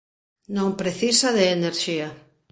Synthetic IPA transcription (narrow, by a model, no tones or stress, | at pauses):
nõŋpɾeθisɐðeːneɾʃia